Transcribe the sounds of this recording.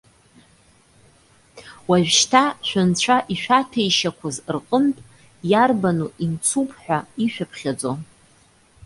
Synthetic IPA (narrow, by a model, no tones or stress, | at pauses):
waʒᶣʃtʰaʃʷᶣant͡ɕʷʰaʔiʃʷᶣatʰejʃakʷʰazrqʼəntʼ | jarbanuʔint͡sʰupʰʼħʷᶣaiʃᶣapʰχʲad͡zo